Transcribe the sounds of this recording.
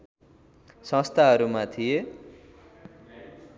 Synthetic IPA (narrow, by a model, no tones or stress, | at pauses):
sʌ̃st̪ʰaɦʌɾumat̪ʰije